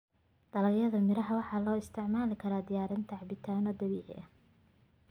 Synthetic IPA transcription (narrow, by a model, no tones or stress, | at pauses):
d̪̥ɐlɐɣjɐðɐmɪɾɐɦɐwɑħɑːlɔːɪst̪ʰɪʕmaːlɪkʰɐɾaːd̪ɪjaːɾɪnt̪ʰɐʕbɪt̪ʰaːnɔd̪ɐβiːʕɪ̰ʔɐ̰